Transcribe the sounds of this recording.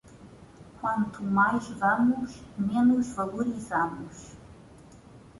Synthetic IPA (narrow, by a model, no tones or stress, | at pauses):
kʷwɐ̃nt̪ʰumajʒvɐmuʒmenuʒvɐlˠuɾizamuʃ